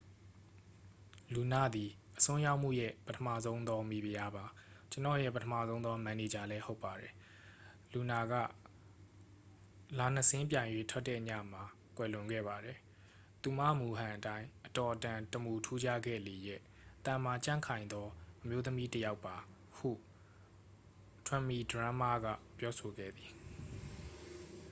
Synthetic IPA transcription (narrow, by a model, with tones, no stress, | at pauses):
lu˨na˦˨d̪i˨ | ʔəsʊ̃˦ja˦ʊʔm̥ṵ˦˨jɛ̰˦˨pətʰəmä̰˦˨zõ˦ʊ̃nd̪ɔ˦mi˨bi˨ja˦ba˨t͡ɕənɔ̰˦˨jɛ̰˦˨pətʰə˦mä̰˦˨zõ˦nd̪ɔ˦mã˨ne˨d͡ʑa˨lɛ˦ho˦ʊpːa˨ɾɛ˨ | lu˨na˨ɡä̰˦˨ | la˨n̥əsɪ̃˦mp̬jã˨ɪ̃jwe˦tʰwɛ˦tːɛ̰˦˨ɲa̰˦˨m̥a˨ | kwɛ˨lʊ̃˨ŋɡɛ̰˦˨ba˨dɛ˨ | t̪u˨ma̰˦˨mu˨ɦã˨ʔətã˦ɪ̃ʔətɔ˨ʔətã˨təmu˨tʰu˦d͡ʑa˦ɡɛ̰˦˨le˨jɛ̰˦˨ | t̪ã˨m̥a˨t͡ɕã̰˦˨ŋkʰã˨ɪ̃nd̪ɔ˦ʔəmjo˦t̪əmi˦təja˦ʊpːa˨ | hṵ˦˨ | tʰwɛ̃˦˨mi˨dəɹã˦ma˦˨ɡa̰˦˨pjɔ˦so˨ɡɛ̰˦˨d̪i˨